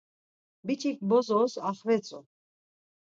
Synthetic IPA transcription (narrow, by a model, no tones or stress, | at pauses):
bit͡ʃʰikʼbɔzɔsaχvɛt͡sʼɔ